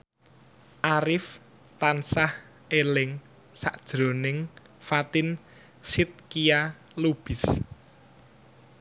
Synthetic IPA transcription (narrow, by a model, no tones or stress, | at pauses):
ʔaɾɪf | t̪ansah | elɪŋ | sa̰ʔd̥ʒ̥ɾo̤nɪŋ | fat̪ɪn | sɪt̪̚kija | lub̥ɪ̤s